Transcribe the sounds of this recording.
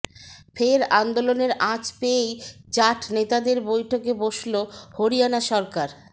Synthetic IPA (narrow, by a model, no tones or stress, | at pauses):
fʰeɾand̪oloneɾãt͡ɕpejt͡ɕaʈʰnet̪ad̪eɾbojʈʰokeboʃlohoɾijanaʃɔɾkaɾ